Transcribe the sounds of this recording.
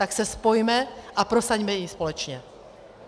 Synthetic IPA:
t̪aksɛspɔjmɛapɾɔsaɟmɛjispɔlɛt͡ʃɲɛ

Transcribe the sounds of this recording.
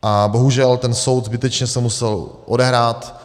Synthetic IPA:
ʔabo̞ɦuʒɛlt̪ɛnso̞wt̪zbɪt̪ɛt͡ʃɲɛsɛmusɛlʔo̰dɛɦɾaːt̪

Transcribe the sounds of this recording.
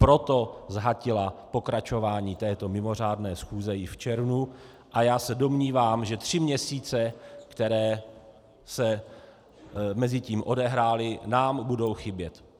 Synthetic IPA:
pɾo̞t̪o̞zɦacɪlapo̞kɾat͡ʃo̞vaːɲiːt̪ɛːt̪o̞mɪmo̞r̝aːdnɛːsxuːzɛjɪft͡ʃɛɾvnu | ʔajaːsɛdo̞mɲiːvaːmʒɛt̪r̝̥ɪmɲɛsiːt͡sɛkt̪ɛɾɛː | sɛ | mɛzɪciːmʔo̞dɛɦɾaːlɪnaːmbudo̞wxɪbjɛt̪

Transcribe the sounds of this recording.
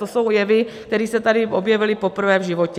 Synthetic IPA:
t̪oso̞wjɛvɪkt̪ɛɾiːsɛt̪adɪʔo̞bjɛvɪlɪpo̞pr̩vɛːvʒɪvo̞cɛ

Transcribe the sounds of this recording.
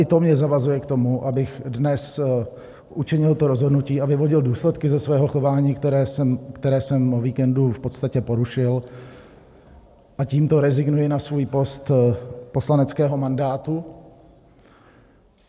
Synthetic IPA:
ʔɪt̪o̞mɲɛzavazujɛkt̪o̞muʔabɪxdnɛs | ʔut͡ʃɪɲɪlt̪oɾozɦodnuciːavɪvo̞ɟɪlduːslɛt̪kɪzɛsvɛːɦo̞xo̞vaːɲiːkt̪ɛɾɛmkt̪ɛɾɛːsɛmoviːkɛndufpot̪st̪acɛpo̞ɾuʃɪl | ʔaciːmt̪o̞ɾɛzɪɡnujɪnasvuːjpo̞st̪po̞slanɛt͡skɛːɦo̞mandaːt̪u

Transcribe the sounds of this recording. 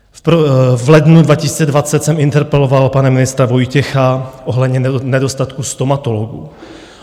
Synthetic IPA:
vlɛdnudvacɪsi̥ːt͡sɛdvat͡sɛt̪sɛmɪnt̪ɛɾpɛlo̞valpanɛmɪnɪst̪ɾavo̞jcɛxaʔoɦlɛd̪ɲɛnɛdost̪at̪kust̪omat̪oloɡṵ

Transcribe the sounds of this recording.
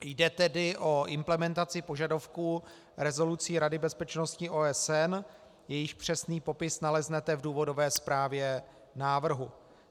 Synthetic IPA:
jdɛt̪ɛdɪʔo̞ʔɪmplɛmɛnt̪at͡sɪpo̞ʒadofkuː | ɾɛzo̞lut͡siːɾadɪbɛspɛt͡ʃnoscɪʔoːɛsɛn | jɛjɪxpr̝̥ɛsniːpo̞pɪsnalɛznɛt̪ɛvduːvo̞do̞vɛːspɾaːvjɛ | naːvr̩ɦu

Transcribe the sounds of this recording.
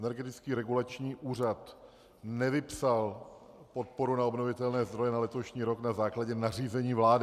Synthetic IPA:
ɛnɛɾɡɛt̪ɪt͡skiːɾɛɡulat͡ʃɲiːʔuːr̝at̪ | nɛvɪpsal | po̞t̪̚po̞ɾunaobno̞vɪt̪ɛlnɛːzd̪ɾo̞jɛnalɛt̪o̞ʃɲiːɾo̞knazaːklaɟɛnar̝iːzɛɲiːvlaːdɪ

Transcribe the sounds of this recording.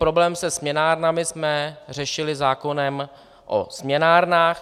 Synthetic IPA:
pɾo̞blɛːmsɛsmɲɛnaːɾnamɪsmɛr̝ɛʃɪlɪzaːko̞nɛm | ʔo̰smɲɛnaːɾnaːx

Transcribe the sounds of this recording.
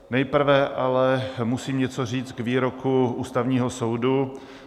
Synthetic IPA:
nɛjpr̩vɛʔalɛmusiːmɲɛt͡sor̝iːt͡s̪ɡviːɾokʰuuːst̪avɲiːɦosowdu

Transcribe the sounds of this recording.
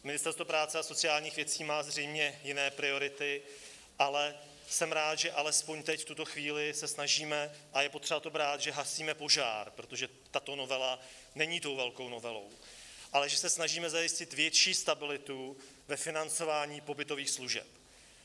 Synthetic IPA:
mɪnɪst̪ɛɾst̪vopɾaːt͡sɛaso̞t͡sɪaːlɲiːxvjɛt͡siːmaːzr̝ɛjmɲɛjɪnɛːpɾɪo̞ɾɪt̪ɪ | ʔalɛ | sɛmɾaːt̪ʒɛʔalɛspo̞ɲt̪ɛcft̪ut̪o̞xviːlɪsɛsnaʒiːmɛʔajɛpo̞t̪r̝ɛbat̪obɾaːt̪ʒɛɦasiːmɛpo̞ʒa̰ːɾpɾot̪oʒɛ | t̪at̪o̞no̞vɛla | nɛɲiːt̪o̞wvɛlko̞wno̞vɛlo̞̰w | ʔalɛʒɛsɛsnaʒiːmɛzajɪscɪt̪vjɛt͡ʃiːst̪abɪlɪt̪u | vɛfɪnant͡so̞vaːɲiːpo̞bɪt̪o̞viːxsluʒɛ̰p

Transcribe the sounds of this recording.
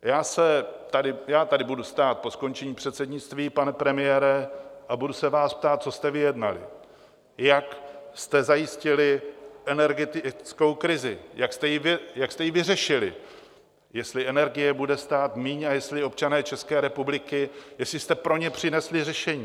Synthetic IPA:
jaːsɛt̪adɪjaːt̪adɪbudust̪aːt̪̚po̞sko̞nt͡ʃɛɲiːpr̥ɛt̪sɛdɲɪt͡st̪viːpanɛpɾɛmɪjɛːɾɛʔabudusɛvaːsp̚t̪aːt̪̚t͡so̞st̪ɛvɪjɛdna̰lɪ̰ | jakst̪ɛzajɪscɪlɪʔɛnɛɾɡɛt̪t͡sko̞wkɾɪzɪjakst̪ɛjɪvɪjakst̪ɛjɪvɪrɛʃɪlɪ̰ | jɛst̪lɪʔɛnɛɾɡɪjɛbudɛst̪aːt̪miːɲajɛst̪lɪo̞p̚t͡ʃanɛːt͡ʃɛskɛːɾɛpublɪkɪjɛslɪst̪ɛpɾo̞ɲɛpr̝̥ɪnɛslɪrɛʃɛɲiː

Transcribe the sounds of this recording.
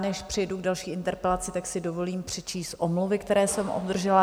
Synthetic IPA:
nɛʃpr̥ɪjduɡdalʃiːʔɪnt̪ɛɾpɛlat͡sɪt̪aksɪdo̞vo̞liːmpr̝̥ɛt͡ʃiːst̪ʔomluvɪkt̪ɛɾɛːsɛmʔodd̪r̩ʒɛla

